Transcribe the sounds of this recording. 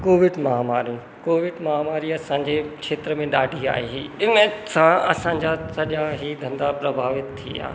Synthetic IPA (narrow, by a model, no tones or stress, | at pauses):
koːʋɪɖmɐɦaːmaːɾijũ | koːʋɪɖmɐɦaːmaːɾiɐsãːɲd͡ʑekʃeːt̪ɾəmẽɗaːɖʱia̰ːɦeɦiɪnə̃sãɐsãːɲ̆d͡ʑasɐʄjãɦid̪ʱɐ̃nd̪apɾɐbʱaːʋɪt̪t̪ʰːḭa̰ː